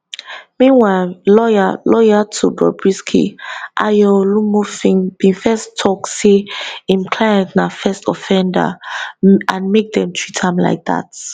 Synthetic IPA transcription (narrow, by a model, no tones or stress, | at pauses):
mĩnwaɪllɔalɔjatʰubɹɔ̰bɹiskʰḭʔajɔlumofĩŋbĩnfɛstʰːɔkseĩmkʰlaɪãntnafɛstɔfɛ̃nda̰ | ãnmek̚dɛ̃mtʰɹ̥itʰãmla̰ɪk̚ða̰t